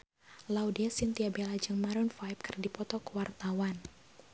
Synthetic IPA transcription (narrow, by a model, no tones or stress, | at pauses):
laudiasint̪iabelad͡ʒɨŋmaɾɔnfajp̚kɨrdipɔt̪ɔkəwart̪awan